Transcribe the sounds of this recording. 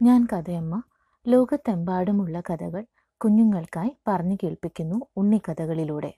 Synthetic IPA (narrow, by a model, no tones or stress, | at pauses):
ɲaːnkɐd̪ɐjɐmːɐ | lo̞ːɡɐt̪ːembaːɽumuɭːɐkɐd̪ɐɣɐɭ | kuɲːuŋːɐɭkaːjpɐrɐɲːukeːɭpikʲːunːuːɳːikɐd̪ɐɣɐɭiluːɽe̞̰